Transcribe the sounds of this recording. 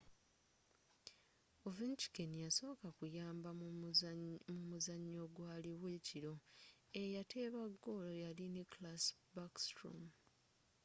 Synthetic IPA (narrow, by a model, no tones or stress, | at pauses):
ovint͡ʃi̥kenijaso̞ːkakujaːmba | mumuzaɲːo̞ɡwaːliwe̞ciɾo̞ejate̞ːβaɡːo̞lojaliniklasbakstɾo̰m